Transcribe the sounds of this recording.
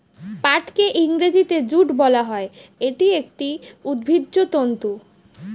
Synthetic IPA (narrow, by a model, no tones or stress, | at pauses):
paʈkeʔiŋɾed͡ʑit̪ed͡ʑuʈbɔlaɦɔeeʈiek̚ʈiud̪̚bʱidːot̪ont̪u